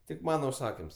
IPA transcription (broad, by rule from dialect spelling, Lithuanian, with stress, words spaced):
tʲɪk ˈmɑːnɐ ʊʃˈsɑːkʲɪms